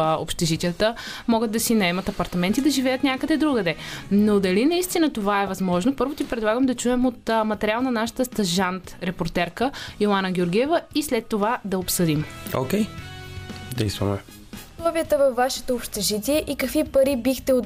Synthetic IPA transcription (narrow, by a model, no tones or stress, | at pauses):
o̰pʃt̪ɛʒit̪ʲijət̪ə | mɔɡət̪d̪ɐsinɐɛmɐt̪ɐpɐɾt̪ɐmɛnt̪id̪ɐʒivɛjət̪nʲakəd̪ɛd̪ɾuɡəd̪ɛnod̪ɐlinɐist̪inət̪ovaɛvɐzmɔʒnopɤɾvot̪ipɾɛd̪lˠaɡəmd̪ɐt͡ʃuɛmot̪mɐt̪ɛɾʲialˠnɐnaʃə̥t̪əst̪ɐʒant̪ɾɛpoɾt̪ɛɾkəilˠanəɡʲoɾɡʲiɛvəislɛt̪ːovad̪ɐopsɤd̪imo̰kʲɛj | d̪ɛ̰jst̪vɐ̰mɛ̰ | oslˠɔviət̪əvɐfvːaʃɛ̥t̪oːpʃt̪ɛʒit̪ʲiɛʔikəkvipɐɾibixt̪ɛo